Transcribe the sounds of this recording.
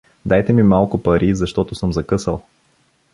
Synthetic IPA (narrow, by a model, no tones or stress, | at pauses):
d̪ajt̪ɛmimalˠkʊpɐɾʔizɐʃt̪ɔt̪ʊsɤmzɐkɤsəlˠ